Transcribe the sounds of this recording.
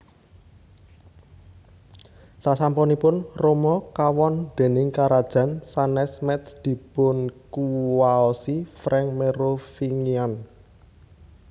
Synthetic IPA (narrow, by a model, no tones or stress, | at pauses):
sasampɔnipʊnromɔkawɔnd̪̥e̤nɪŋkaɾad̥ʒ̥a̤nsanɛsmɛt̪sd̪̥i̤b̥ʊ̤nkuwaɔsifɾɛŋmeɾofiŋian